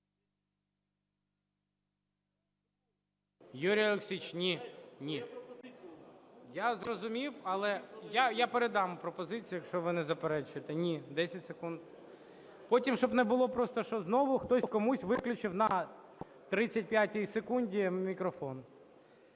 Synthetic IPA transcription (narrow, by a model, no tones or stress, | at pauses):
juɾʲijɐlˠeksʲit͡ʃnʲinʲi | jazɾɔzʊmʲiwɐlˠɛjajapeɾed̪ɑmʊpɾɔpɔzɪt͡sʲijʊjɐkʃt͡ʃɔʋɪnɛzɐpeɾɛt͡ʃʊjet̪ɛnʲid̪ɛsʲɐtʲsekund̪ | pɔtʲimʃɔbnɛbʊlˠɔpɾɔst̪ɔʃɔznɔʋʊxt̪ɔkɔmusʲʋɪklʲʊt͡ʃɪwnɐ | t̪ɾɪt͡sʲːɐtʲpʲjatʲijsekunʲdʲimʲikɾɔfɔn